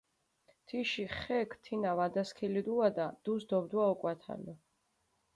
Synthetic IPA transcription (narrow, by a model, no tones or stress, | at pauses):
t̪ʰiʃiχɛkʰt̪ʰinavad̪askʰilid̪uad̪ad̪̥usd̪ɔbd̪waɔkʼwat̪ʰa̰lɛ